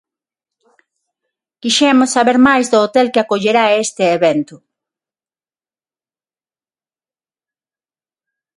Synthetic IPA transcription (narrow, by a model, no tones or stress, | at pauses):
kiʃɛmʊsːaβeɾmajzd̪oːt̪elkɪakoʎeɾaest̪eeβent̪ʊ